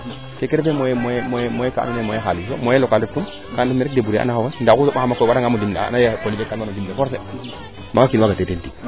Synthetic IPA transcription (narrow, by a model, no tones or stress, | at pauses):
kekeɾefemoemojmojmojekaa̰nunemojeɦalis̬omojlokalek̚tum | kandmeɾek̚debuɾea̰nahawandakusoaamakowaɾaŋamudimla̰najepoliekːananodimlefɔɾs̬e | maŋɡakinwaɡatetenti